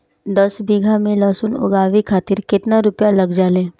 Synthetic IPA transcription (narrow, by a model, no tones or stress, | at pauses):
d̪ɐsbiːɡʱamẽlaːsʊnʊ̰ɡaːʋikʰaːt̪ɪɾkɪt̪naɾʊpjalɐɡd͡ʒaːlẽː